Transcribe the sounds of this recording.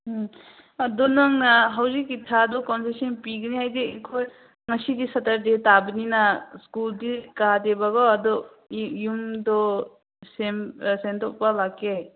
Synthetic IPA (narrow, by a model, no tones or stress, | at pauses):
ɐdɔnɐŋnaɦawzikːitʰaːdɔkɔnsesinpiɡniajdiekʰoj | ŋɐsidisɐtɐɾdetabininaskuldikadebaɡɔɐdɔ | jumdɔ | semsentɔp̚palakːe